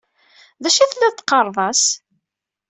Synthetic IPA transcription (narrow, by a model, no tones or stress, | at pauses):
ðæʃæθlːæt̪ːqːɑɾˤðˤɑs